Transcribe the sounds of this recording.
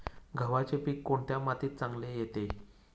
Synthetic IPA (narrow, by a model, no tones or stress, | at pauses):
ɡʱəʋat͡ɕepiːkːoɳt̪jamat̪iːt̪̚t͡sãŋɡlejet̪e